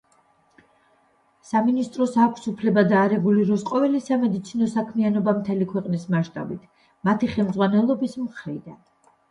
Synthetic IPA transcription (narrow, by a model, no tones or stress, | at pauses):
saminist̪ʼɾɔsakʷʰsupʰlɛbad̪aːɾɛɡuliɾɔsqʼɔvɛlisamɛd̪it̪sʰinɔsakʰmianɔbamt̪ʰɛlikʰwɛqʼnismaʃt̪ʼa̰bit̪ʰ | mat̪ʰiχɛlmd̪zʁwanɛlˠɔbismχɾḭd̪an